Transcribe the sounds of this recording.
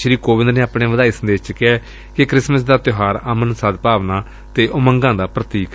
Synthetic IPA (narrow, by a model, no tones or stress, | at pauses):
ʃɾiːkoːʋɪ̃nd̪neːaːpɳeːʋəd̪aːiːsənd̪eːt͡ʃkɛː | kɪkɾɪsməsd̪aːt̪ɪɦaːɾəmənsad̪paːʋnaː | t̪eːʔoməŋɡãːd̪aːpɾət̪iːk